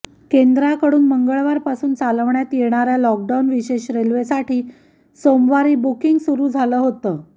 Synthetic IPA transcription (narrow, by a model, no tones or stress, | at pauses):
kend̪ɾakəɽuːnməŋɡəɭʋaɾpasuːnt͡saləʋɳjat̪jeɽ̃aɾjalɔk̚ɖawnʋiɕeɕɾelʋesaʈʰiː | somʋaɾiːbukiŋɡsuɾuːd͡zʱaləːɦot̪əː